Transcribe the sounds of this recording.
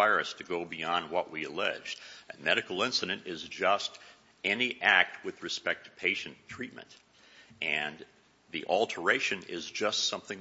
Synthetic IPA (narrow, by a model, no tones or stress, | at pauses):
aɪɹɨstʰɨɡoʊbiɑ̃nd̚wʌʔwiɨlɛ̰d͡ʒdɨ̃mɛɾɨkl̩ˠɪ̃nsɨɾɨ̃ntɪzd͡ʒʌst | ɛniʔæk̚t̚wɨðɹɨspɛk̚tʰɨ̥pʰeɪʃɨ̃ntʰɹ̥it̚mɨ̰̃nt | ʔɨ̃n | ðḭʔɑlˠtʰə˞eɪʃɨ̃nɪ̰zd͡ʒʌstsʌ̃mθɪ̃